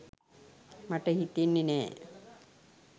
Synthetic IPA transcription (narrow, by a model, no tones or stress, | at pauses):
maʈəhit̪inːenɛː